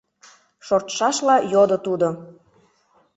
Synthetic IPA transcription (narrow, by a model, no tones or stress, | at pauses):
ʃort̪ʃɑʃlɑjod̪ot̪ud̪o